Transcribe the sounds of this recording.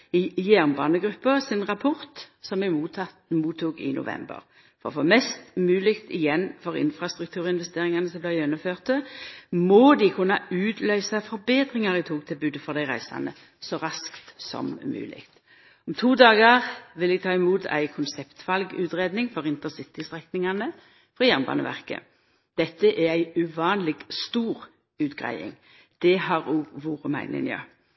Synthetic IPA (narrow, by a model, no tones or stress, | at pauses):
ɪjæːʁnbɑːnəɡɾʉpːəsɪnʁɑpʰɔʁt̪sɔmɛmuːt̪ɑt̪muːt̪ʰːuːɡɪ̰nʔʊ̰ʋɛ̰mbə̰ʁ | fɔʁɔfoːmɛst̪mʉːlɪkt̪ɪjɛnːfɔʁɪ̰nfɾɑst̪ʁʉkt̪ʰʉːʁəɪnʋɛst̪eːʁɪŋɑnəsɔmblæjɛnːʊmføːʁt̪əmɔd̪ɪkʰʉnːɑʉːt̪ʰlœʏsɑfɔʁbeːd̪ʁɪŋɑʁɪt̪ʰoːɡ̚t̪ʰɪlbʉːd̪əfɔʁd̪æɪʁæ̰ɪsɑ̰nə | sɔʁɑskt̪sɔ̰mmʉ̰ːlɪ̰kt̪ | ɔmt̪ʰuːd̪ɑːɡəʁʋɪlɛɡ̚t̪ʰɑːɪmuːt̪ʰæ̰ɪkʰʊnsɛpt̪fɑlɡʉ̰ːt̪ʁeːd̪nɪŋfɔʁɪnt̪ənsɪt̪ɪst̪ʁɛknɪŋɑnə | fʁɑjæʁnbɑ̰ːnə̰ʋæ̰ʁkə̰ | d̪̥ɛt̪ːəʔææɪʉʋɑːnlɪɡ̥st̪uːʁ | ʉːt̪ɡ̥ʁæ̰ɪɪ̰ŋ | d̪̥ɛhɑʁoːɡʋuːʁəmæ̰ɪnɪ̰njɑ̰ː